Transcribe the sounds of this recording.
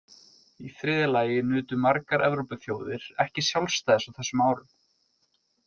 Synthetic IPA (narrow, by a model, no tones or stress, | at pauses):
iθɾɪːðɪlaːjɪnʏːt̪ʏmaɾkaɾʔɛvɾowpʏθjoːwðɪɾ̥ɛhcɪsjawlst̪ajðsawθɛsːʏmaːwɾʏm